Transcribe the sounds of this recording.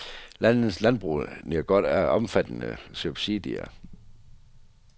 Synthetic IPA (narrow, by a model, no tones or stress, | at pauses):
lænð̩slænb̥ʁṵniɡ̥ɒ̽d̥æɐɒ̽mfæd̥ənə̰sub̥sid̥ḭɐ̰